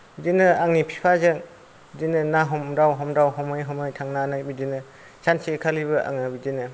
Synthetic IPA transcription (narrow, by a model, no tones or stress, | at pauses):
d͡ʒinɯaŋnipʰi̥pʰazɯŋ | dinɯnaɦɔmɾawɦɔmdawɦɔmɯjɦɔmɯjtʰaŋnanɯjbidinɯ | sʰansʰikʰalibɯʔa̰ŋɯbidinɯ